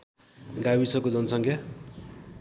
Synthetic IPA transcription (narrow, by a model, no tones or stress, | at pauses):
ɡawisʌkod͡zʌnsʌŋkʰja